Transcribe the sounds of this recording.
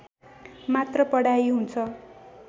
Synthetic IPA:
mat̪rʌpʌɽajɦunt͡sʰʌ

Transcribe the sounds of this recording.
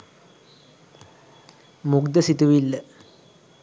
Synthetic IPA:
muɡd̪əsit̪uʋilːə

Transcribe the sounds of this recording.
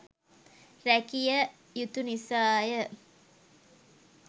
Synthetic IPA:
rækijə | jut̪unisaːjə

